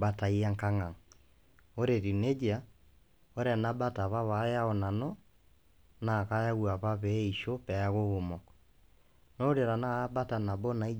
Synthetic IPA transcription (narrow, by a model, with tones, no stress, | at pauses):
ba˦ta˨i˦a˦ŋka˦ŋa˨ŋ | o˦ɾe˨ɾi˨ne˦d͡ʒa˨ | o˦ɾe˦a˨na˦ba˦ta˨βa˦βa˨˦ja˦ɔ˨na˨nɔ˦ | na˨ka˦ja˦ɣu˨a˨βa˦βɛ˦i˨ʃo˦pɛ˨a˦ɣo˦ɣo˨mɔ˨kɔ | no˦ɾe˨ɾa˨naː˦ba˦ta˨na˨bɔ˦na˨i˦